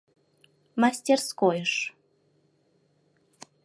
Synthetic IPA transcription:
masʲtʲerskojəʃ

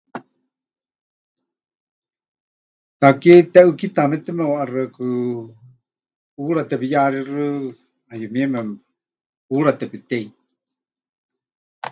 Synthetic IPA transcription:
t̪aket̪ɛʔɨkit̪amɛt̪ɛmɛwaʔarakɨ | uɾat̪ɛpijaɾɛrɨ | ajumiɛmɛ | uɺat̪ɛpit̪ɛi

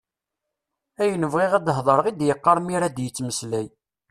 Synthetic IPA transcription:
æjənəvʁiʁæd̪ɦðˤəɾəʁid̪jəqːɑɾˤmiɾæd̪jət͡sːməslæj

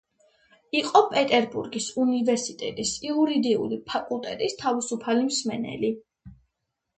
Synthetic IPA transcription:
iqʼɔpʼɛt̪ʼɛɾbuɾɡisunivɛɾsit̪ʼɛt̪ʼisiuɾid̪iṵlipʰakʼulˠt̪ʼɛt̪ʼist̪ʰavisupʰalimsmɛnɛ̰li

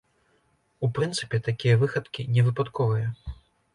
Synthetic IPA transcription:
upɾɨnt̪sɨpʲɛt̪akʲijɐvɨxɐt̪kʲinʲɛvɨpat̪kʰɔvɨjɐ

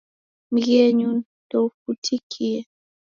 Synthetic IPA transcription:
m̩ɣɛɲun | tɔfutʰikʰiɛ

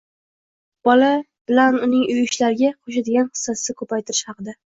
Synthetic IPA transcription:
b̥ɒla | b̥ɪlanʊnɪŋʊjɪʃlaɾɪɡʲaqʰoʃ̬ad̪ɪɡʲanχɨ̥sːasɪkʰɵpajt̪ʰɪɾɪ̥ʃhɑqɨd̪a

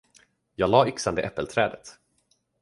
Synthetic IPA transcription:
jɑːɡlɑːʏksand̪əʔɛpːəlt̪ʰɾɛːd̪ət̪

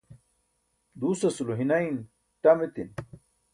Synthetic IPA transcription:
d̪uːsɐsuluɦinɐin | ʈɐmit̪in

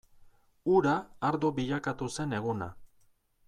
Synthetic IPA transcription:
uɾaːɾd̪obiʎakat̪use̞ne̞ɣuna̰

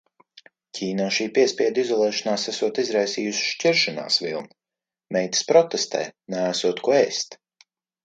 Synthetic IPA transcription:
cʲʰiːnaːʃiːpʲiɛspʲiɛd̪izɔlˠɛːʃɔnaːsæsuɔt̪izɾajsiːjusʃt͡ʃʲɛɾʃana̰ːsvilˠn | mɛjt̪ɨ̥spɾɔt̪est̪ɛ̰jnæːsuɔt̪kuɛst̪

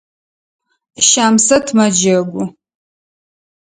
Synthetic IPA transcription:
ʃaːmsɐtʰmɐd͡ʒɐɡʷʊ

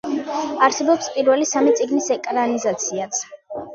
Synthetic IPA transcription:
aɾsɛbɔpspʼiɾvɛlisamit̪sʼiɡnisɛkʼɾanizat̪sʰiat̪sʰ

